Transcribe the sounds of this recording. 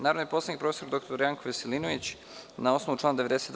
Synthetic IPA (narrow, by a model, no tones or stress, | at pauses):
naːɾod̪ipo̞seaikpɾo̞feso̞ɾd̪o̞kt̪oɾjaŋkoʋeselinoʋit͡ɕ | nao̞sno̞ʋut͡ʃlˠaːnad̪eʋed̪e̞set̪